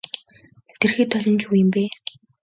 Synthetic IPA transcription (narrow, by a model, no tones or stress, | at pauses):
t̪ĕrxiːt̪ʰːɔɮʲɞ̆nt͡ɕuːjɪ̆mpeː